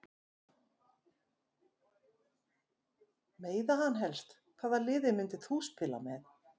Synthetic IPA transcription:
meːjðahanːɦɛlst̪ | kʰvaːðalɪːðɪmɪnt̪ɪθuspʰɪla̰mɛθ

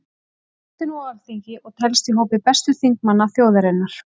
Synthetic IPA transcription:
ht̪ɪnualθiɲcɪʔɔɣt̪ʰɛlst̪iɦowpɪpɛst̪ʏθiŋk̚manːaθjoːwðaɾɪnːaɾ̥

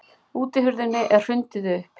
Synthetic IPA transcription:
uːt̪ɪɦʏɾðɪnːɪʔɛr̥r̥ʏnt̪ɪðʏpʰ

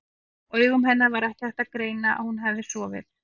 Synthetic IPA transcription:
œːɥɣʏmɦɛnːaɾvaɾɛhcɪ̥hɛht̪akɾeːjnaʔa̰ðhunɦɛvðɪsɔːvɪ̰ð

